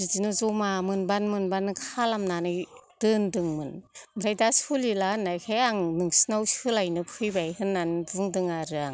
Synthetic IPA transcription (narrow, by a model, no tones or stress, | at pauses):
izinɯzɔmamɯnbanmɯnbanɯkʰalamnanɯjd̥ɯndɯŋmɯnmɯɾajdasulilanːajkʰajaŋnɯŋsinawsɯlajnɯpʰɯjbajɦɯnːanbuŋdɯŋaɾɯaŋ